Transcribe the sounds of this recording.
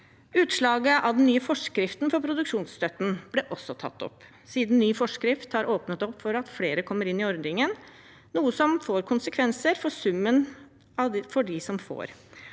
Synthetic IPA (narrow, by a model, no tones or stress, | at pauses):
ʉːt̪ʂɭɑːɡəʔɑʋd̪ɛnnːyːəfɔʂkɾɪft̪nfɔɾpʰɾʊd̪ʉkʂuːnsst̪œt̪ːn̩b̥lɛʔɔsɔt̪ʰɑ̰t̪ːɔ̰pː | siːd̪n̩nyːfɔʂkɾɪft̪hɑɾʔoːpnət̪ɔpːfɔɾɑt̪fleːɾəkʰɔmːəɾɪnːɪɔɾd̪ɪŋən | nuːəsɔmfoːɾkʰʊnsəkʰʋɛnsəɾfɔsʉmːən | ɑfɔɖɪsɔmfo̰ːɾ